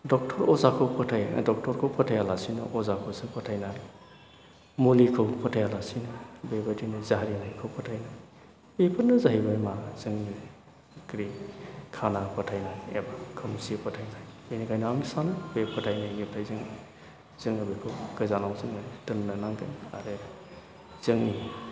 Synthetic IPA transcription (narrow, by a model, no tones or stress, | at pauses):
dɔk̚tʰɔɾɔzakʰɯpʰɔtʰajdɔk̚tʰɔɾkʰɯwpʰɔtʰajalasinɐ̰ʔɔzakʰɔsɯpʰɔtʰajnaɾi | mulikʰɯwpʰɔtʰajalasinɯbebɐdinizaɦɾinajkʰɯwpʰɔtʰajnaj | bepʰɯnɯzaɦibamazɯŋni | kʰɾikʰanapʰɐtʰajnajḛbakʰɯmsipʰɐtʰajnajbenikʰajnaŋnisanɯpʰjpʰɐtʰajnajniptʰajzɯŋa | z̥ɯŋɐbikʰɯwɡɯzanawzɯŋmanitɯnnɐnaŋkana̰ɾɯ | z̥ɯŋni